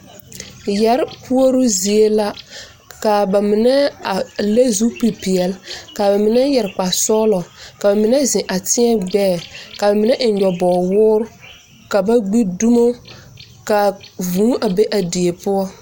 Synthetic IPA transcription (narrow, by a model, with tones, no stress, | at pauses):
jɛ˨ɾpu˦o˦ɾʊ˦zi˨e˦la˦ | ka˨ba˨mɪ˨nɛ˦a˨le˦zu˦pi˨pi˨ɛ˨lka˨ba˨mɪ˨nɛ˦jɛ˨ɾk͡pa˨sɔː˦lɔ˨ka˨ba˨mɪ˨nɛ˦zɪ˨ʔa˨tɪ˦ɛ˦ɡ͡bɛː˦˨ka˨ba˨mɪ˨nɛ˦ʔn̩˨ɲɔ˨bɔː˨wʊː˦ɾʊ˦ | ka˨ba˦ɡ͡bi˦du˦mo˦ | ka˨vũː˨˦ʔa˨be˦ʔa˨di˨e˨pʊ˦ɔ˦